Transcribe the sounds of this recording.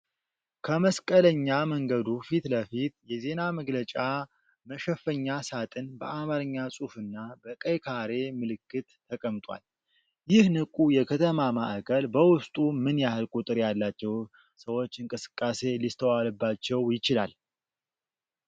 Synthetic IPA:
kʰəməskʼələɲːaməŋɡəd̪ufit̪ləfit̪̚jɛze̞naməɡlət͡ʃʼa | məʃəfəɲːasat̪ʼɨnbəamaɾɨɲːasʼufɨnːabəkʼəjkʰaɾe̞mɨlɨkːɨt̪ʰːəkʼəmt̪ʼwa̰l | jɪhnɨkʼujɛkʰət̪ʰəmamaʔakʰəlbəwʊst̪ʼumɨnjahɨlkʼut̪ʼɨɾjalːat͡ʃːɛw | səwo̞t͡ʃːɨŋkʼɨsɨ̥kʼːase̞list̪ʰəwalɨbːat͡ʃːɛwjɪt͡ʃɪla̰l

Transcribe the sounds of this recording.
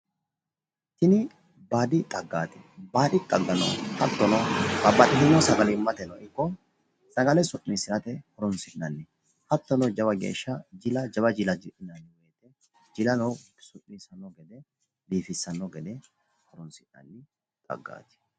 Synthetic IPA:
t̪ɪnɪ | baːd̪ɪt̪ʼɐɡːaːt̪ɛbaːdɪt̪ʼɐɡːɐnɐ̰whɐt̪ːɔnɔkɐbːɐɗɪhɪnːɔsɐɡɐlɪmːɐt̪ɛnɔ̰ɪkːɔ | sɐɡɐlɛsʊʔːisɪnɐt̪ɛhɔɾɔnsɪʔnɐnːɛ | hɐt̪ːɔnɔd͡ʒɐbɐɡḛːʃːɐd͡ʒɪlɐd͡ʒɐbɐd͡ʒɪlɐd͡ʒɪᶑɪnɐnːɛweːt̪ɛ | d͡ʒɪlɐnɔ | sʊʔiːsɐnɔɡɛd̪ɛ | biːfɪsːɐnːɔɡɛd̪ɛ | hɔɾɔnsɪʔnɐ̰nːɪ | t̪ʼɐ̰ɡːa̰ːt̪ɛ̥

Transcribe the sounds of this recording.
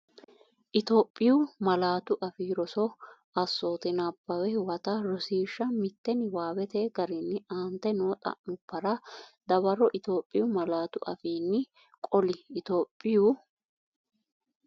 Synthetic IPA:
ʔɪt̪o̞ːpʼːɪjʊmɐlaːt̪ʊʔɐfiːɾɔsɔ | ɐsːo̞ːt̪ɪnabːɐwɛhwɐt̪ɐɾɔsiːʃːɐmɪt̪ːɛnɪwaːwɛt̪eːɡɐɾɪnːɪʔaːnt̪ːɛnoːt̪ʼɐ̰ʔnʊpːɐɾɐd̪ɐβɐɾɔʔɪt̪o̞ːpʼːɪjʊmɐlaːt̪ʊʔɐ̰fiːnːɪ | kʼɔlɪːt̪o̞ːpʼːɪju

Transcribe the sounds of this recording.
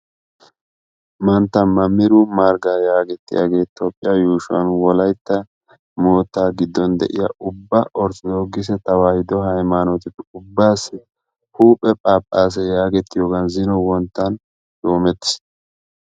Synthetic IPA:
mɐnt̪ːɐmɐmːɪɾumaːɾɡaːjaːɡɛt̪ːɪja̰ɡe̞ːt̪oːpʼːɪjajuːʃʊwɐ̰nwɔlɐjt̪ːɐ | moːt̪ːaːɡɪd̪ːɔnd̪ɛ̰ʔɪ̰jɐ̰ʔʊbːɐʔɔɾt͡sɪd̪oːɡːɪs̬ɛt̪ɐwaːhɪd̪ɔɦɐjmaːnɔt̪ɪpːɛʊbːaːsːɪ | huːpʼːɛpʼaːpʼːaːs̬ɛjaːɡɛt̪ːɪjoːɡɐnzɪnɔwɔnt̪ːɐn | j̪̥o̞ːmɛt̪ːɪ̥s

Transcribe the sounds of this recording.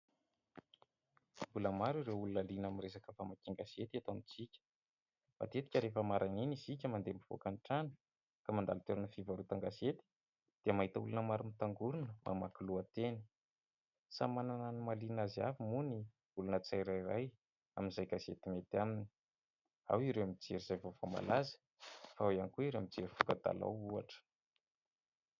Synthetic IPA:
buləmaɾiɾewulunalinamiɾes̬akəfamakiŋɡaset̪iat̪onit͡sikʲə̥ | ma̰t̪et̪i̥kʲəɾefəmaɾaŋenizikʲəmand̪embiv̥o̰kanʈ͡ʂanə̥ | kamand̪alt̪eɾunəfivaɾut̪aŋɡaset̪i̥ | d̪̥iəmaɦit̪əulunəmaɾumit̪aŋɡuɾunəmʔa̰makiluat̪enə̥ | sa̰manananumalinaziafimuni | ulunət͡sajɾairaj | a̰minzajɡazet̪imet̪amini̥ | a̰wiɾewamid͡zeɾiz̥ajvovoma̰lazə̥ | faawanikuiɾewamid͡zeɾifu̥kəd̪a̰la̰wuaʈ͡ʂə̥

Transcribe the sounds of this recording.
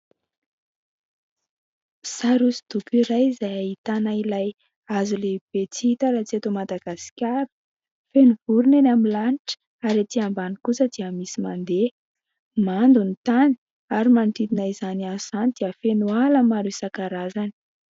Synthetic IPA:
saɾusid̪̥ukiɾajzajait̪anailaj | azuleb̥et͡siit̪aɾat͡siat̪omad̪aɡasi̥kʲaɾu̥ | fenuvuɾunenamilanʈ͡ʂ | aɾat̪iambanikusəd̪̥iəmisimand̪e | mand̪unit̪ani̥ | aɾimant̪id̪inaizaniasanid̪iəfenualəmaɾusakaɾazani̥

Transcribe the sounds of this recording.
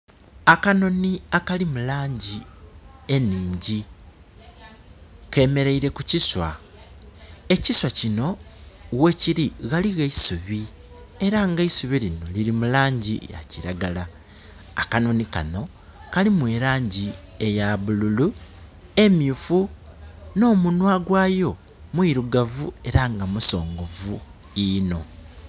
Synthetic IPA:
akano̞niakalimulaːɲɟi | e̞niːɲɟi | ke̞ːme̞ɾe̞iɾe̞kuciswa̰ | e̞ciswacino̞we̞ciɾiɣaliɣaisuβi | e̞ɾaŋɡaisuβilino̞̰liɾimulaːɲɟija̰ciɾaɡalaː | kanonika̰no̞ | kalimweːɾaːɲɟie̞jaβululu | e̞miufu | no̞ːmunwaɡwaːjo̞ | mwiɾuɡavue̞ɾaŋɡamuso̞ːŋɡo̞vu | ino̞

